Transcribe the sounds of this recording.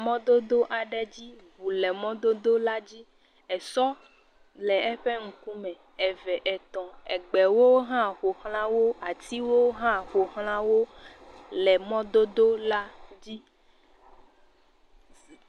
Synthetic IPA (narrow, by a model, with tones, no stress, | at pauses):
mɔ̃˦d̪o˦d̪o˦ʔa˨ɖɛ˨d͡ʑi˦βu˨lɛ˨mɔ̃˦d̪o˦d̪o˦la˦d͡ʑi˦ | ɛ˨sɔ˦ | lɛ˨ɛ˦ɸɛ˦ŋ̩˦ku˦mɛ̃˨ | ɛ˨vɛ˨ʔɛ˨t̪ɔ̃˨ɛ˨ɡ͡bɛ˨wo˦ɦã˦xo˨xl̃ã˦wo˦a˨t̪i˦wo˦wɦã˦xo˨xl̃ã˦wo˦ | lɛ˨mɔ̃˦d̪o˦d̪o˦la˦d͡ʑi˦